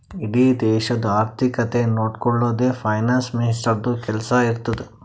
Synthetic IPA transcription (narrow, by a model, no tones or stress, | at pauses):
iɽiːd̪ɛːʃɐd̪uaːɾt̪ʰikɐt̪enoːɖkɔɭːoːd̪eːpʰɐjnaːnsminisʈɐɾd̪ukɛlɐsɐiɾt̪ːɐd̪e